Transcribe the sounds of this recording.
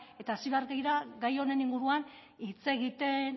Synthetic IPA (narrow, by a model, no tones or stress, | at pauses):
e̞t̪aːsiβaɾɡejɾaɡajo̞ne̞niŋɡuɾuan | it͡se̞ɣit̪e̞n